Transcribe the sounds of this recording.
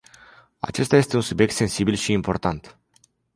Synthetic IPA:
a̰t͡ʃe̞st̪aje̞st̪e̞unsubjek̚t̪se̞nsibilʃiːmpo̞rt̪ant̪

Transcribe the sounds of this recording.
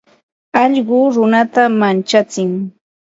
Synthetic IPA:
ɑʎɢʊɾʊnat̪amant͡ʃat͡sɪŋ

